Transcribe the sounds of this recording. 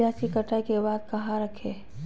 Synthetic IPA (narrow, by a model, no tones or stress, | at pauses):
aːsikəʈʰakebaːd̪̚kɐɦaɾəkʰeː